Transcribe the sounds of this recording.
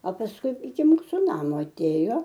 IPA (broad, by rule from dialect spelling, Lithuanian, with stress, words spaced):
ɐ pɐsˈkʊɪ ɪkʲɪ ˈmuːsʊ ˈnɑːmoː ɐˈtʲeːjoː